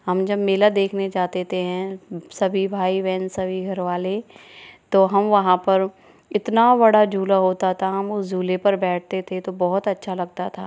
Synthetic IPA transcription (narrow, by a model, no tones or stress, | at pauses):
ɦɐmd͡ʒɐbmeːlad̪eːkʰned͡ʒaːt̪et̪eɦɛ̃sɐbʱibʱaːiʋɛ̃ːnsɐbʱiɡʱɐɾʋaːlet̪oːɦɐmʋɐɦãpɐɾ | ɪt̪nabɐɽad͡ʒʱuːlaɦoːt̪at̪ʰaɦɐmʊsd͡ʒuːlepɐɾbɛːʈ̚ʰt̪et̪ʰet̪obɔɦʊt̪ɐtːʃʰalɐɡ̚t̪at̪ʰaː